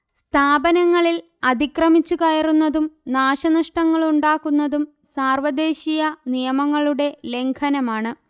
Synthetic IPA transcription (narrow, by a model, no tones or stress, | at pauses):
st̪ʰaːbɐnɐŋːɐɭil | ɐd̪ikrɐmit͡ɕːukɐjɐrunːɐðumnaːɕɐnɐʂʈɐŋːɐɭuɳɖaːkːunːɐðum | saːrʋɐd̪e̞ːɕijɐnijɐmɐŋːɐɭuɽe̞le̞ŋkʰɐnɐmaːɳɨ